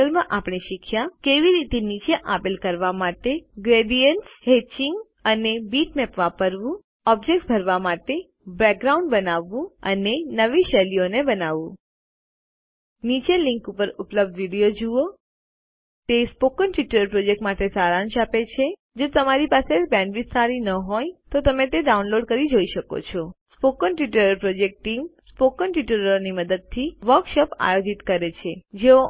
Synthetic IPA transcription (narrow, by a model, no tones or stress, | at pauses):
əlmãʔapɳ̃iʃikʰjakeʋiɾit̪enit͡ʃeʔapilkəɾʋamaʈeɡɾeɖijənʈshet͡ʃiŋɡ | ənebiʈmɛpʋapəɾʋũ | ɔb̚d͡ʒek̚ʈsbʱəɾʋamaʈe | bɾɛk̚ɡɾauɳɖbənaʋːũə̰nenəʋiʃɛlionebənaʋũ | nit͡ʃelĩŋkupəɾʊpləb̚d̪ʋiɽijod͡ʒuo | t̪espokənʈʋiʈəɾəɾpɾod͡ʒek̚ʈmaʈesaɾanʃapet͡ʃʰe | d͡ʒot̪əmaɾipasebɛ̃ɳɖʋist̪aɾinəɦojt̪ot̪əmet̪eɖaunloɖ̚kəɾid͡ʒoiʃəko̰t͡ʃʰɔspokənʈʋiʈəɾəɾpɾod͡ʒek̚ʈʈːimspokənʈʋiʈəɾəniməd̪əd̪̚t̪ʰiʋəɾkʃopa̰jod͡ʒit̪kəɾet͡ʃʰed͡ʒeo